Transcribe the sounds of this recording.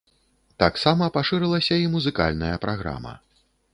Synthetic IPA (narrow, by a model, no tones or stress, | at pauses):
t̪aksamɐpaʂɨɾɨlˠɐsʲɐimuzɨka̰lʲnɐjɐpɾaɣɾa̰mɐ̰